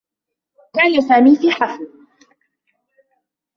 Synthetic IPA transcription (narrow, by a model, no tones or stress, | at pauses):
kaːnasaːmiːfiːħafl